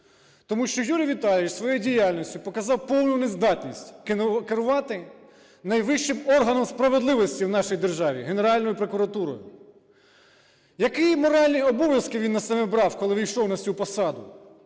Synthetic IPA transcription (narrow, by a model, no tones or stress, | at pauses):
t̪ɔmuʃt͡ʃɔjuɾʲijʋʲit̪ɑlʲɪt͡ʃsʋɔjɛjidʲijalʲnʲɔsʲtʲʊpɔkɐzɑwpɔwnʊnezd̪ɑt̪ʲnʲisʲtʲkkɪɾʊʋɑt̪ɪ | nɐjʋɪʃt͡ʃɪmɔrɦɐnɔmspɾɐʋed̪lˠɪʋɔsʲtʲiwnɑʃijd̪e̞rʒɑʋʲḭɦene̞ɾɑlʲnɔjʊpɾokʊɾɐt̪uɾɔ̰jʊ̰ | jɐkimɔɾɑlʲnʲiɔbɔʋʲjɐskɪʋʲinːɐsɐmɛbɾɑwkɔlˠɪʋʲijʃɔwnɐsʲupɔsɑd̪ʊ